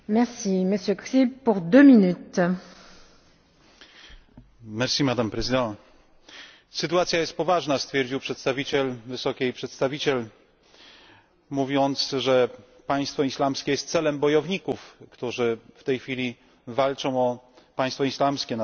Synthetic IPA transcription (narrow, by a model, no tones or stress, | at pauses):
mɛʁsiməsjøksipuʁd̪øminyt̪ | mɛɾsʲimad̪ampɾɛzɨd̪ɛ̃ | sɘt̪uwat̪sʲjajɛst̪̚pɔvaʐnast̪fʲjɛɾd͡ʑiwpʂɛt̪st̪avʲit͡ɕɛlvɘsɔkʲɛjpʂɛt̪st̪avʲit͡ɕɛl | muvʲjɔnt̪sʐɛ | paj̃st̪fɔislamskʲɛjɛst̪t̪sɛlɛmbɔjɔvɲikufkt̪uʐɘft̪ɛjxfʲilʲi | valt͡ʂɔ̃w̃ɔ | paj̃st̪fɔislamskʲɛn